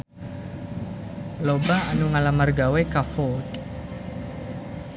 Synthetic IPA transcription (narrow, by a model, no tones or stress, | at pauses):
lobaanuŋalamarɡawekafɔt